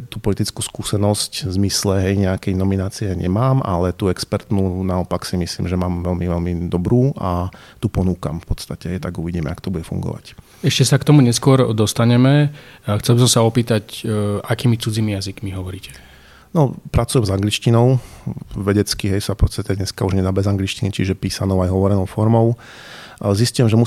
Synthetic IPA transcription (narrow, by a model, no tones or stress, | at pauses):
t̪upɔlit̪it͡skuːskuːsɛnɔsczmislɛɦɛjɲɛakɛjnɔminaːt͡siɛɲɛmaːmʔa̰lɛt̪uɛkspɛɾt̪nunaɔpaksimislḭːmʒɛmaːmʋɛlmiʋɛlmid̪ɔbɾuːa | t̪upɔnuːka̰mfpɔst̪acɛɦɛjt̪aɡuʋiɟiːmɛakt̪ɔbuɟɛfṵŋɡɔ̰ʋa̰c | ɛʃcɛsakt̪ɔmuɲɛskʊɔɾd̪ɔst̪aɲɛmɛxt͡sɛlbis̬ɔmsaɔpiːt̪acakiːmit͡sud͡zimijazikmiɦɔʋɔɾiːcɛ̥ | nɔpɾat͡sujɛmzaŋɡlit͡ʃcinɔʊʋɛɟɛt͡skiɦɛjsapɔt͡st̪at̪ɛdɲɛskauʒɲɛd̪aːbɛzaŋɡlit͡ʃcinit͡ʃiʒɛpiːsanɔʊajɦɔʋɔɾɛnɔʊfɔɾmɔʊ | ziscujɛmʒɛmu